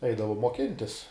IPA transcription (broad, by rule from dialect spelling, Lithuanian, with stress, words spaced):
ˈɛɪdɐʋʊm moːˈkʲɪnʲtʲɪs